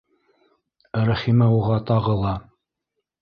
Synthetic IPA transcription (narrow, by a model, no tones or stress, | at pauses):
ɾæχimæuʁɑt̪ɑʁɤlˠɑ